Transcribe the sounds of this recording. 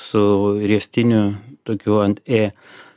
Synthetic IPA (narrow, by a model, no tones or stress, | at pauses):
sʊɾʲiɛsʲt̪ʲɪnʲʊt̪oːkʲuːɐnt̪eː